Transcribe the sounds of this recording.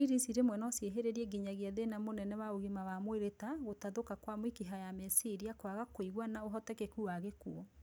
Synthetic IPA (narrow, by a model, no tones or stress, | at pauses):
iɾisiɾemwɛnɔsjeɦeɾeɾiɛɡiɲaɣiaðenamonɛnɛwaoɣimawamweɾetaɣotaðokakwamwikiɦajamɛsiɾiakoaɣakoiɣwanaoɦɔtɛkekuaɣekṵɔ